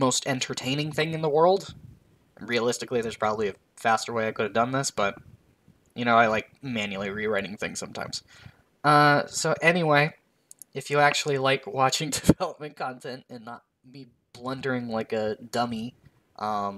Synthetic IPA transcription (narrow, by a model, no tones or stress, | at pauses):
moʊstɛ̃ntʰə˞tʰẽɪ̃nɪ̃ŋθɪ̃ŋɨ̃nðəwɜ˞lˠd | ɹiɨlɪstɨkliðə˞z̥pʰɹ̥ɑbəbliɨ | fæstə˞weɪaɪkʰʊɾɨvdʌ̃nðɪsb̥ʌt̚ | jɨñoʊaɪlaɪk̚mæ̃njʉl̩ˠiɹiɹaɪɾɪ̃ŋθɪ̰̃ŋsʌ̃mtʰã̰ɪ̃mz̥ | ʌsoʊʔɛniweɪ | ɨfjɨæk̚t͡ʃʉl̩ˠilaɪkʰwɑt͡ʃɪ̃ŋdɨv̥ɛlˠəp̚mɨ̃nkʰɑ̃ntʰɛ̃ntɨ̃nːət̚ | b̥i | b̥lʌ̃ndə˞ɪ̃ŋlaɪkɨdʌmi | ʔʌ̃m